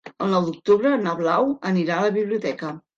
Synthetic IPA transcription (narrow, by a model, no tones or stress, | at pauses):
əlˠnɔwd̪uk̚t̪uβɾənəβlawəniɾaələβiβliut̪ɛkə